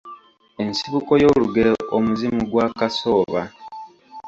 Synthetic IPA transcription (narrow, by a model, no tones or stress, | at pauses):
e̞nsiβuko̞jo̞ːluɡeɾoomuzimuɡwaːkaso̞ːβa